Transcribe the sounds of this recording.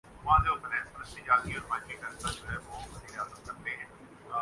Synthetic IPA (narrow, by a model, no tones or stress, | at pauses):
ʊãːd̪eʊt̪əɾɛ̃ːsəɾəsid͡ʒaːd̪iɔːɾmãːmiːkəɾt̪ad͡ʒoːɦɛːʋoːbəziːɾɪjaːzət̪̚kəɾt̪eɦɛ̃ː | a